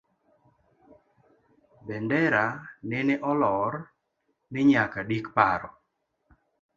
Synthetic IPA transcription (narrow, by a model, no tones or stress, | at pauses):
bɛndɛɾanɛneʔɔlɔr | nɪɲakadikpaɾɔ